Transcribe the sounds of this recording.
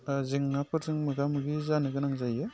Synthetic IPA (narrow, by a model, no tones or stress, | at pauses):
zɯŋnapʰɯɾzɯŋmɯɡamɯɡizanɯɡɯnaŋzajɯ